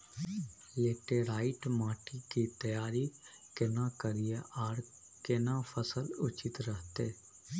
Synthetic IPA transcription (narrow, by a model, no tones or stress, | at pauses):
jeːʈeːɾaːɪʈmaːʈʰiːkiːt̪əjaːɾi | kɪnãːkəɾijeʔaːɾ | kɪnãːpʰəsəlʊt͡ʃɪt̪ɾəɦt̪eː